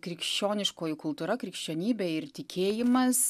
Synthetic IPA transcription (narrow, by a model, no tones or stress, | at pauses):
kɾʲɪkʃʲt͡ʃʲoːnʲɪʃkoːjʊkʊlˠt̪uːɾɐkɾʲɪkʃʲt͡ʃʲoːnʲiːbʲɛːɪɾt̪ʲɪkʲʰeːjɪmɐs